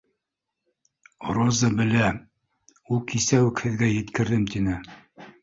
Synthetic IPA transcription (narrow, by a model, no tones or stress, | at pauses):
ɾozɤbɘ̆læ | ulˠkisæwɘkhɘ̆ðɡæjɘ̆t̪kɘ̆ɾðɘmt̪inɘ